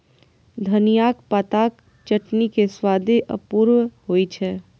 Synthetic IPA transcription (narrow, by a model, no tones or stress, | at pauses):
d̪ʱɐnijaːkpat̪aːk | t͡ʃəʈnikeswaːd̪ʱeʔə̰puːɾwhoːit͡ʃʰɛː